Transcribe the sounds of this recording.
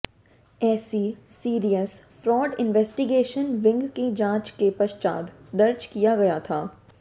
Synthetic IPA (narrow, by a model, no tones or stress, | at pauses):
ɛːsisiːɾijəs | fɾɔːɖɪ̃nʋɛːsʈɪɡeːʃənʋɪ̃ŋɡkid͡ʒãːt͡ʃkepɐʃt͡ʃa̰ːd̪d̪ɐɾd͡ʒkijaɡɐjat̪ʰaː